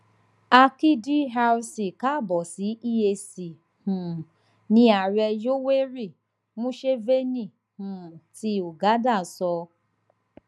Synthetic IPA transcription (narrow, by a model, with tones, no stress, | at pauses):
a˧ki˦di˦ɦa˧˦si˨ka˦˨bɔ˨si˨˦i˦e˧si˨ | hũ˨ | nĩ˧˦a˨ɾɛ˧jo˦we˦ɾi˦˨ | mũ˦ʃe˦ve˦nĩ˦˨ | hũ˨ti˧o˨ɡa˨˦da˦˨sɔ˧